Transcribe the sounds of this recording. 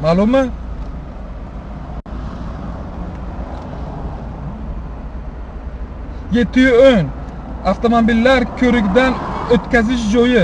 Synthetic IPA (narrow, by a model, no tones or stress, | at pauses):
malˠʊmɨ | je̞t̪ʰːɪjʊon | aft̪omobilːaɾkʲʰɵɾɪkʲd̪anøt̪kʲazɪʃ̬d͡ʒojɪ